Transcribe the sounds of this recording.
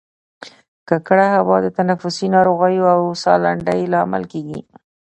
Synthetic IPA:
kakɽahawɑd̪ət̪anafʊsinɑɾoɣajoawsɑlaɳɖəjlɑama̰lkeɡḭ

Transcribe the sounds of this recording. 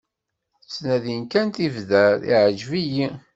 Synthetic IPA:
t͡sːnæðinkænt̪ivðæɾḭʕəd͡ʒviji

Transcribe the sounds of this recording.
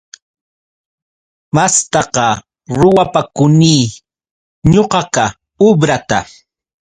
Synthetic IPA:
mast̪ɑqɑ | ɾʊwapakʊniː | ɲoqɑka | ʊbɾat̪a

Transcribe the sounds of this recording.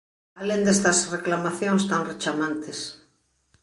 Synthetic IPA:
alend̪est̪ɐsreklamaθjõŋst̪aŋret͡ʃamãnt̪es

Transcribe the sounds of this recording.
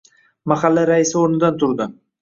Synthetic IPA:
maχalːaɾaɪsɪoɾnɪd̪ant̪ʰʊɾd̪ɪ

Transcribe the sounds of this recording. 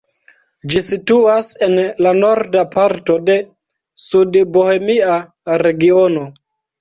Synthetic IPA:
d͡ʒisituase̞nlano̞ɾdapaɾto̞de̞ | sudbohe̞mia | ɾe̞ɡio̞no̞

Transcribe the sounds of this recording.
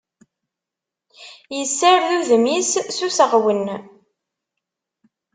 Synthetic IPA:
jəsːəɾðuðmisːusəʁwən

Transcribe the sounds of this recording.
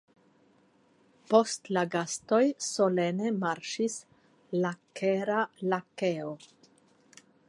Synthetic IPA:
po̞stlaɡasto̞jso̞le̞ne̞maɾʃis | lakeɾalake̞o

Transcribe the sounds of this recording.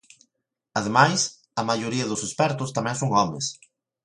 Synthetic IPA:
ɐðemajs | ɐmajoɾiɐðʊsespɛɾt̪ʊst̪amɛ̃ŋsoŋɔmḛs

